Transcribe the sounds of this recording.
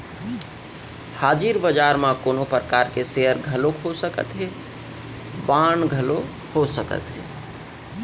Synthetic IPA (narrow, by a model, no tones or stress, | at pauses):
haːd͡ʒiɾbəd͡ʒaɾmãkoːnopɾəkaɾkeseɦəɾɡʱəlokʰosəkə̰t̪ɦe | baɳɡʱəlo | hosəkə̰t̪ɦḛ